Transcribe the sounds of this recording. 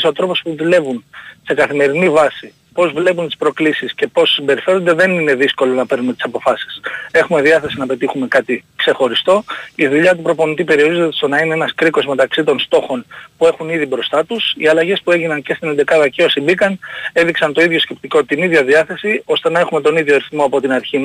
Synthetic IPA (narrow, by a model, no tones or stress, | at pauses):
sot̪ɾo̞po̞spuðule̞vunse̞kɐθime̞ɾinivɐsi | po̞zvle̞p̬unt̪i̥spɾo̞klisisce̞po̞sːimbe̞ɾife̞ɾo̞nd̪eðe̞nine̞ðisko̞lo̞nɐpe̞ɾnumet̪i̥sɐpo̞fɐsi̥se̞xume̞ðiɐθe̞sinɐpe̞t̪ixume̞kɐt̪ikse̞xo̞ɾist̪o̞iðuʎɐt̪̬upɾo̞po̞nit̪ipe̞ɾio̞ɾizot̪st̪onɐineenɐskɾiko̞zme̞t̪ɐksit̪o̞nst̪o̞xo̞npue̞xuniðibɾo̞st̪ɐt̪usiɐlɐʝe̞spue̞ʝinɐnce̞st̪inend̪e̞kɐðɐceosimbikɐne̞ðiksɐnt̪o̞iðʝo̞sce̞p̚t̪iko̞t̪iniðʝɐðiɐθe̞sio̞st̪e̞nɐe̞xume̞t̪o̞niðʝoɐɾiθmo̞ɐpo̞t̪inɐɾçimɐ